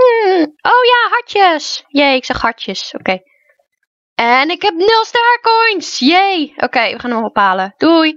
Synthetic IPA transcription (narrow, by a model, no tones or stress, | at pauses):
ʔowjaːɦaɹtjəsjeːɪksɛxhaɹtjəsokeː | ɛnɪkhɛpnɪlˠstəaɹkojnsjejʔo̰keːʋəχaːnəmʋɔbəpaːləd̥uj